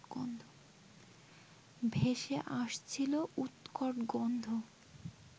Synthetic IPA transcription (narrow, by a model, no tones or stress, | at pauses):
ond̪ʱo | bʱeʃeʔaʃt͡ɕʰilout̪kɔʈɡond̪ʱo